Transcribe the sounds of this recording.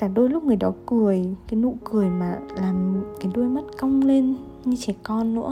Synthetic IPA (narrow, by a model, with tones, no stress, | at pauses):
kaː˧˩ɗo˧jlʊ˦˥k͡p̚ŋɨ˨˩əjɗɔ˨˦kɨ˨˩əjkaː˨˦jnṵ˧˨kɨ˨˩əjmaː˨˩laː˨˩mkaː˨˦jɗu˧əjma˦˥t̚kə˧wŋ͡mle˧n | ɲɨ˧t͡ɕɛ˧˩kɔ˧nːɨ̰˧˥ə